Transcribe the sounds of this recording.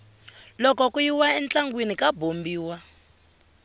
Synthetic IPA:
lɔkɔkujiwaɛnt͡ɬaŋɡwenikabombiːwa

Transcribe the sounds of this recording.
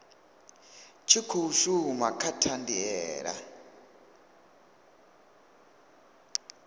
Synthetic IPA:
t͡ʃʰikʰuuʃuumakʰatʰandiɛːɺa̰

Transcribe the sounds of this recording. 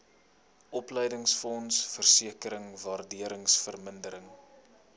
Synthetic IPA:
ʔɔplɛjdəŋsfɔnsfərsiəkəɾəŋvaːrdiəɾəŋsfərməndəɾəŋ

